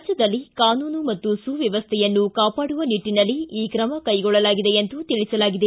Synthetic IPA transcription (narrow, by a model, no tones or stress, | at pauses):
d͡ʒɐd̪ɐlːikaːnuːnumɐt̪ːusuʋjɐʋɐst̪ʰɛjɐnːukaːpaːɽuʋɐniʈːinɐlːiiːkɾɐmɐkɐjɡɔɭːɐlaːɡid̪e̞ent̪ut̪iɭisɐlaːɡid̪e